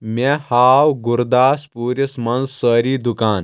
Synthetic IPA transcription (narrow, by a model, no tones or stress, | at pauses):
mɛhaːwɡuɾd̪aːspuːɾismɐnzːəɾiːd̪ukaːn